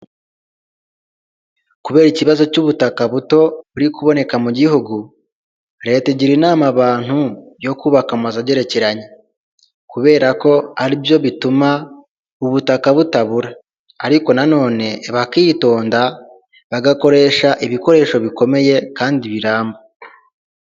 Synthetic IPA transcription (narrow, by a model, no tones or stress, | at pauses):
kuβe̞ːɾiciβazo̞cuβutakaβuto̞βuɾikuβo̞ne̞kamuɟihuɡu | ɾe̞teɟiɾinaːmaβaːn̥hu | jo̞kuːβakamazaɟe̞ɾe̞ce̞ɾaɲe | kuβe̞ːɾako̞aɾibjo̞βituma | uβutakaβutaβuɾaː | ɾiko̞nano̞ːne̞βakito̞ːnda | βaɡako̞ɾe̞ːʃaʔiβiko̞ɾe̞ːʃo̞βiko̞me̞je̞kaːndiβiɾaːmbo